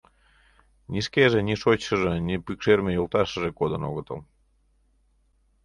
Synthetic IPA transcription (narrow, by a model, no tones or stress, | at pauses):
nʲiʃkeʒĕnʲiʃot͡ɕːəʒenʲipykʃermʲejolˠt̪ɑʃə̆ʒekod̪əno̰ɣə̆t̪ə̰l